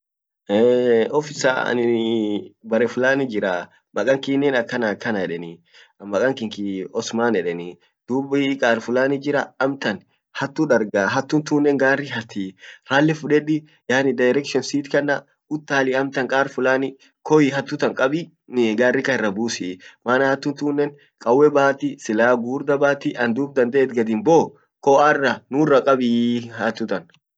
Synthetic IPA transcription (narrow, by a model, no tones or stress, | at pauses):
ʔeːɔfɪsa̰ɐ̰nɪ | bɐɾɛfʊlaːnɪd͡ʒɪɾa | mɐkʼɐŋkiːnːɛnɐkːɐnɐkːɐnɐɛᶑɛnɪ | mɐkʼɐŋkɪŋkiɔsmaːnɛᶑɛni | d̪̥uːbɪkʼaːɾfʊlaːnɪd͡ʒɪɾɐːmt̪ɐn | hɐt̪ːuᶑɐɾɡaːɦɐt̪ːʊnt̪uːnːɛŋɡaːrːɪɦɐt̪ːiɾaːlːɛfʊᶑɛᶑɪ | jaːnɪd̪ɐjɾɛkʃɔnsiːt̪kɐnːɐ | ʊt̪ːaːlɪɐmt̪ɐŋkʼaːɾfʊlaːnɪ | kɔjɪɦɐt̪ːʊt̪ɐŋkʼɐbɪ | ɡaːrːɪkɐɪrːɐbuːsɪmaːnɐhɐt̪ːʊnt̪uːnːɛn | kʼɐwːɛbaːt̪ɪsɪlaːɡuːɾd̪ɐbaːt̪ɪʔɐnd̪uːb̚d̪ɐnd̪ɐʔɛt̪ɡɐd̪ɪnboː | kɔɐrːɐnʊrːɐkʼɐbɪhɐt̪ːʊt̪ɐn